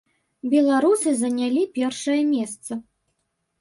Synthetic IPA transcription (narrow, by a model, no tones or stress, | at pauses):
bʲɛlˠaɾusɨzɐnʲalʲipʲɛrʂɐjɐmʲɛst̪sɐ